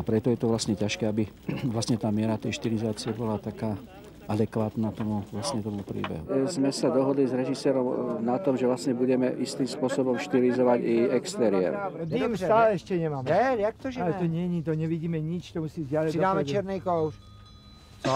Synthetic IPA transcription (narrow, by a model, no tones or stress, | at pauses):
apɾɛt̪ɔjɛt̪ɔʋlasɲɛcaʃkɛːabi | ʋlast̪ɲɛt̪aːmɪɛɾat̪ɛjʃt̪iɾizaːt͡siɛbɔlat̪akaː | ʔad̪ɛkʋaːt̪nat̪ɔmuʋlast̪ɲɛt̪ɔmupɾḭːbɛ̰ɦuzmɛsad̪ɔɦɔd̪lizɾɛʒisɛːɾɔmnat̪ɔmʒɛʋlast̪ɲɛbuɟɛmɛʔist̪imspʊɔsɔbɔmʃt̪ilizɔʋaɟiɛkst̪ɛɾiɛ̰ɾɛmt̪aːlɛɛʃcɛɲɛmaːmɛɛakt̪ɔʒalɛt̪ɔɲɛɲit̪ɔɲɛʋiɟiːmɛɲit͡ʃt̪ɔmusiːzdɪalɛaːmɛt͡ʃɛɾnɛjkɔwʃ